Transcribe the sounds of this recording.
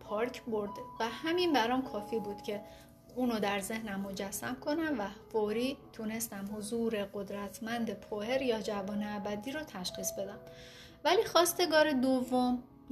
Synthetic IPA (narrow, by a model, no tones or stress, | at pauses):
pʰɒːɾcʰboɾd̪væhæminbæɾɒmkʰɒːfiːbuːd̪̥cʰe̞ | uːnod̪æɾze̞hnæmːo̞d͡ʒæsːæmkʰo̞næmvæfoɾiːt̪ʰune̞st̪æmhozuːɾe̞ɢo̞d̪ɾæt̪ʰmænd̪e̞pʰohe̞ɾjɒːd͡ʒævɒːneæbæd̪iːɾɔt̪ʰæʃxiːsbe̞d̪æm | væliːxɒːst̪e̞ɡɒːɾe̞d̪ovːom